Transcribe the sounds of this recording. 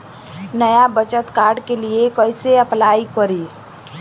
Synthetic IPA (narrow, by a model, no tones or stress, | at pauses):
nəjabət͡ʃət̪kaːɾɖkeliekəɪseəplaːikəɾi